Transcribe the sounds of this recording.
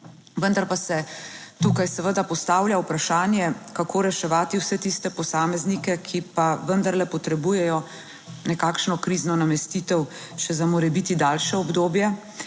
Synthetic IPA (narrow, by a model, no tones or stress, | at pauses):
ʋənd̪aɾpasɛt̪uːkajsɛʋəd̪apɔst̪aːwljawpɾaʃaːnjɛkakʰoːɾɛʃɛʋaːt̪iwsɛt̪ist̪ɛpɔsaːmɛznikɛkʰipaʋənd̪aɾlɛpɔt̪ɾɛbuːjɛjɔ | nɛkaːkʃnɔkɾiːznɔnamɛst̪iːt̪ɛw | ʃɛzamoːɾɛbit̪id̪aːlʃɛɔbd̪oːbjɛ